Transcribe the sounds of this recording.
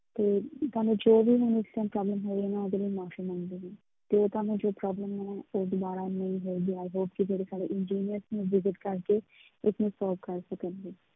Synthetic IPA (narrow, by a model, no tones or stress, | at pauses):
t̪eːt̪aːnũːd͡ʒoːbiːɦʊnɪst̪ɛ̃npɾɔːbləmɦoːeːnãːoːd̪eːləiːmɔːʃəmə̃nd̪eːɡiː | t̪eːoːt̪aːnũːd͡ʒoːpɾɔːbləmɛːoːd̪ʊbaːɾaːnə̃ĩɦoːɡ̪iːaːiɦoːpkid͡ʒeːɽeːsaːɖḛʔɪnd͡ʒiːnijəɾsnũːʋɪzɪʈkəɾkeː | ɪsnũsɔːlʋkəɾsokə̃nd̪eː